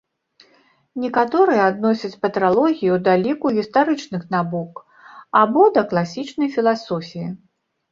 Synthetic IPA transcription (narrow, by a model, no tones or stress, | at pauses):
nʲɛkat̪ɔɾɨjɛad̪nɔsʲɐt͡sʲpɐt̪ɾalˠɔɣʲijiwd̪alʲikuɣʲist̪aɾɨt͡ʂnɨxnabɔk | abɔd̪ɐklˠasʲit͡ʂnɐjfʲilˠasɔfʲiji